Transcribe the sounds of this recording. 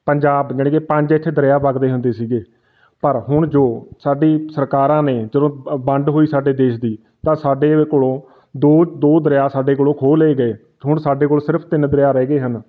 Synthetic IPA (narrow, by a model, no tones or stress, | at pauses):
pəɲd͡ʒaːbd͡ʒəːɽẽːkepə̃ɲd͡ʒɪt̪ʰːeːd̪əɾeːaːpəɡd̪eːɦʊnd̪eːsiːɡeː | pəɾɦʊɳd͡ʒoːsaːɖiːsəɾkaːɾãːneːd͡ʒəd̪õːbəɳɖɦoːiːsaːɖeːd̪eːʃd̪iː | t̪ãːsaːɖeːkoːɽõː | d̪oːd̪oːd̪əɾejaːsaːɖeːk̬oːlõːkʰoːleːɡəeː | ɦʊɳsaːɖeːkoːlsɪɾəpʰt̪ɪnd̪əɾɪjaːɾɛːɡeːɦən